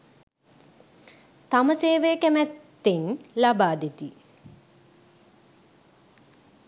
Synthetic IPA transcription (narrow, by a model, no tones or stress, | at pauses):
t̪aməseːʋejkæmɛt̪ːenlabaːd̪et̪i